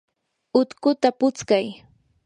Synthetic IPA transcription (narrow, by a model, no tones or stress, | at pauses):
ʊt̪kʊt̪apʊt͡skaj